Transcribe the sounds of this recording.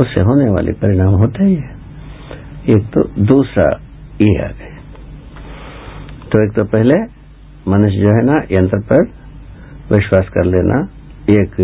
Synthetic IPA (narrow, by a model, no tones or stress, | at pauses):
ʊsːḛɦoːneʋa̰ːlʔḭpɐɾɪɽ̃aːmɦoːt̪aɦiɦɛ | eːk̚t̪o̰d̪uːsɾa̰ | iea̰ːɡ | t̪oeːk̚t̪opɛɦle | mɐnʊʃd͡ʒoːɦɛːnajə̃nt̪ɾəpɐɾ | ʋɪʃwaːskɐɾleːnʔa̰ | eːk